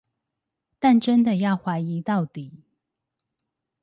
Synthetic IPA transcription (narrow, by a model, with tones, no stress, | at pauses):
t̪a˥˨nʈ͡ʂə˦nd̪ə˨jɑ˥˩ʊxwa˧˥ɪi˨˦t̪ɑ˥˨ʊt̪i˨˩˦